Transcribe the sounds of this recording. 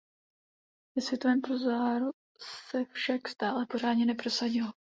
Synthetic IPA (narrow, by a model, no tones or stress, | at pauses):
vɛsvjɛt̪o̞vɛːmpɾozaːɾu | sɛfʃakst̪aːlɛpo̞ɾ̝aːdɲɛnɛpɾo̞saɟɪlo